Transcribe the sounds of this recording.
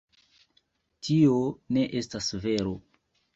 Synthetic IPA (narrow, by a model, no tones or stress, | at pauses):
tʰione̞ʔe̞stasve̞ɾo̞